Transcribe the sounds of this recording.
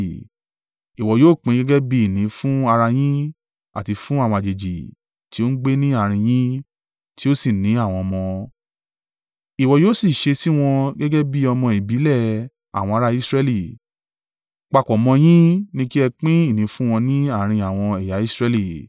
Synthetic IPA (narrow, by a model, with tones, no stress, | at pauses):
i˨wɔ˨joː˨˦˨k͡pĩ˨˦ɡɛ˦ɡɛ˦bi˦i˦˨nĩ˨˦fũ˦a˧ɾa˧j̃ĩ˦ | a̰˨ti˧fũ˦a˦˨wɔ̃˧a˨d͡ʒe˨d͡ʒi˨ | ti˦o˦n̩˦ɡ͡be˦nĩ˦a˦˨ɾ̃ĩ˧j̃ĩ˦ | ti˦o˦si˦˨nĩ˨˦a˦˨w̃ɔ̃˧mɔ̃˧ | i˨wɔ˨joː˦˨si˦˨ʃe˧si˦w̃ɔ̃˧ɡɛ˦ɡɛ˦bi˦ɔ˧mɔ̃˧i˨bi˨˦lɛ˦˨ | a̰˨w̃ɔ̃˧a˧ɾa˧i˦sɾɛ˧li˦˨ | k͡pa˧˨kɔ˨mɔ̃˧j̃ĩ˦nĩ˦ki˦ɛ˧k͡pĩ˦i˦˨nĩ˨˦fũ˦w̃ɔ̃˧nĩ˦a˦˨ɾ̃ĩ˧a˨w̃ɔ̃˧ɛ˨ja˨˦i˦sɾɛ˧li˦˨